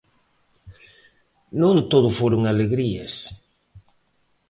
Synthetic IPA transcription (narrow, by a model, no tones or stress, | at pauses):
nõnt̪oðʊfoɾʊŋaleɣɾiɐ̰s